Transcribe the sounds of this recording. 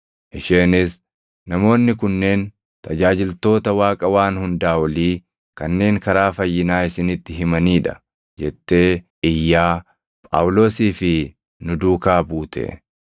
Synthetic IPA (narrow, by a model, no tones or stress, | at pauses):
ʔɪʃeːnɪs | nɐmo̞ːnːɪkʊnːe̞ːn | t̪ɐd͡ʒaːd͡ʒɪlt̪o̞ːt̪ɐwaːkʼɐwaːnhʊnd̪aːwɐliː | kɐnːe̞ːŋkɐɾaːfɐjːɪnaːɪsɪnɪt̪ːɪɦɪmɐniːᶑɐ̥̰ | d͡ʒɛt̪ːe̞ːʔɪjːaː | pʼa̰ːwlo̞ːsiːfɪ | nʊd̪uːkaːbuːt̪ʰɛ̰